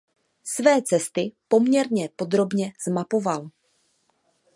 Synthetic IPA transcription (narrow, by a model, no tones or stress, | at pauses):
svɛːt͡sɛst̪ɪpo̞mɲɛɾɲɛpo̞d̪ɾo̞bɲɛz̥mapo̞val